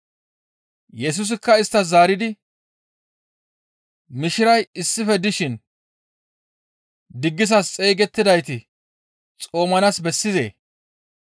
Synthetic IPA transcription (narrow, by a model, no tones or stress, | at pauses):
jɛs̬ʊs̬ɪkːɐɪst̪ːɐzaːɾɪd̪ɪ | mɪʃɪɾɐjɪsːɪfɛd̪ɪʃɪn | d̪ɪɡːɪsɐst͡sʼejɡɛt̪ːɪd̪ɐjt̪ɪ | t͡sʼo̞ːmɐnasbɛsːɪzḛː